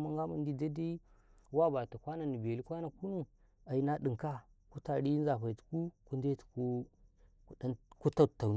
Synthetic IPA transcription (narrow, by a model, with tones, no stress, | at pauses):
ma˦ŋɡa˦ma˨ndi˦da˦da˦i˦ | wa˦ba˨ta˨kʷa˦na˨ni˨be˨li˦kʷa˦na˨ku˦nu˦ | a˨i˨na˦ɗi˨ŋka˦ | ku˦ta˨ɾi˦n˦za˨pa˨tu̥˨˦ku˦ku˦nda˦tu̥˨ku˦ | ku˨da˦nku˦ta˦˨ta˨n